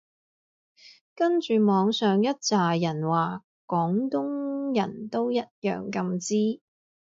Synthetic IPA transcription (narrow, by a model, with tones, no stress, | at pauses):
kɐ˥nt͡ʃyː˨mɔː˨˧ŋsœː˨ŋjɐ˥t̚t͡saː˨jɐ˨˩nwaː˨˩ | kɔː˨˥ŋt̪ʊ˥ŋjɐ̰˨˩nt̪o˥wjɐ˥t̚jœ̰ː˨ŋkɐ˧mt͡siː˥